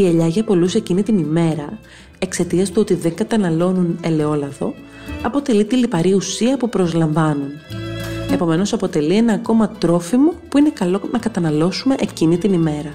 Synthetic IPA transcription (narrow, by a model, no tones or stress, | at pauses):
ie̞ʎɐʝɐpo̞lusecinit̪inime̞ɾɐ | e̞kse̞t̪iɐst̪uo̞t̪iðe̞ŋɡɐt̪ɐnɐlo̞nune̞le̞o̞lɐðo̞̰ | ɐpo̞t̪e̞lit̪ilipɐɾiusiɐpupɾo̞zlɐɱvɐnun | e̞po̞me̞nosɐpo̞t̪e̞lie̞nɐːko̞mɐt̪ɾo̞fimo̞puine̞kɐlo̞nɐkɐt̪ɐnɐlo̞sume̞ʔecinit̪inime̞ɾɐ